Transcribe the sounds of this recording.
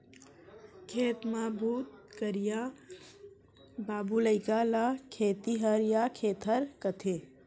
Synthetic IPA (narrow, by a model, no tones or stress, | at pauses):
kʰeːt̪mabʱuːt̪̚kəɾija | baːbuləɪkalakʰeːt̪iɦəɾjakʰeːt̪ɦəɾkət̪ʰe